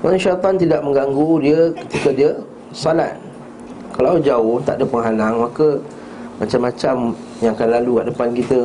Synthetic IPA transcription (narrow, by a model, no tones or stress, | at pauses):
oɾaŋʃajt̪ɔnt̪idaʔ̚mə̃ŋɡaŋɡudiəkə̥t̪ikədiə | sala̰t̪̚ | kalawd͡ʒaʊht̪a̰ʔdəpəŋɦalaŋmakə | mat͡ʃamːat͡ʃam | jaŋkadalalukaʔdəpankit̪ə